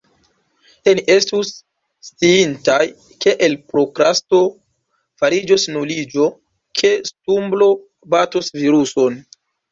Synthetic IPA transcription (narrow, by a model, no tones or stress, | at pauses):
eniʔe̞stusː | t͡siintaj | ke̞ʔelpɾo̞kɾasto̞ | faɾid͡ʒosnulid͡ʒo̞ | kʰe̞stumblo̞ | batusviɾuso̞n